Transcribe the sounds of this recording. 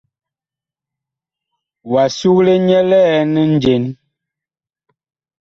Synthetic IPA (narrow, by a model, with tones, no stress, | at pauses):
wa˨su˦kle˦ɲɛ˦lɛ˦nə˦n˦d͡ʒe˨n